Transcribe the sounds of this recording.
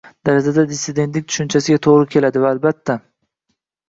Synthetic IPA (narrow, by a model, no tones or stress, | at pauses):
d̪̥aɾad͡ʒad̪ad̪ɪsːɪd̪ent̪lɪk̚ʲt̪ʰʊ̥ʃʊnt͡ʃʰasɪɡʲat̪ʰoʁɾɪkʲʰe̞lad̪ɪvaːlbat̪ʰːa